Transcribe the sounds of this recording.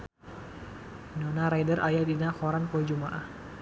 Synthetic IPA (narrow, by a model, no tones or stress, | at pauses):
nɔnaɾajdəɾʔajadinakɔɾanpɔd͡ʒumaʔah